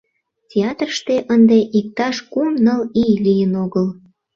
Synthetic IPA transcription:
tʲeɑt̪rʃt̪eʔənd̪eʔik̚t̪ɑʃkumnəlijlijənoɣəl

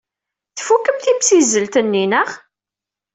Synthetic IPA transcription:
θfukːəmθimsizəlt̪ənːinəʁ

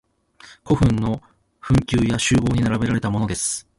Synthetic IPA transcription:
ko̞ɸɯ̟̃nːo̞ | ɸɯ̟̃ŋkʲɨːjaɕɨːbo̞ːɲ̟inaɾabe̞ɾaɾe̞t̪amo̞no̞d̪e̞sɨ̥

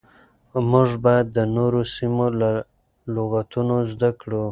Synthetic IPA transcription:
mʊʐbajad̪ːənoɾosimola | loɣat̪unozd̪akɽu

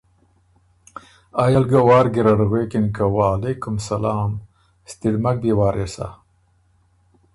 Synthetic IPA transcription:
ajɐlɡawaːɾɡiɾaɽɣweːkinkawalekumsɐlaːm | st̪iɽmak̚b̪iwaːɾesa̰

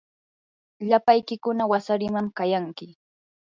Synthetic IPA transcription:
ʎapajkɪkʊnawasaɾɪmamkajaŋkɪ

